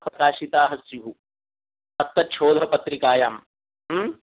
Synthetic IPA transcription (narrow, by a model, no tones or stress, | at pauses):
pɾɐkaːʃit̪aːɦɐsjuɦu | ɐt̪ːɐt͡ʃʰoːd̪ʱɐpɐt̪ɾikaːjaːm | ɦ